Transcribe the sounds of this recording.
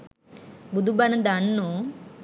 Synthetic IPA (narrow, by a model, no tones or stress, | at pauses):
bud̪ubɐnɐd̪anːu